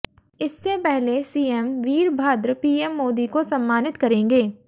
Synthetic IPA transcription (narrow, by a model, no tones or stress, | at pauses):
ɪsːepɛɦlesiːɛmʋiːɾbʱaːd̪ɾəpiːɛmːoːd̪ikosɐmːaːnɪt̪kɐɾẽːŋɡeː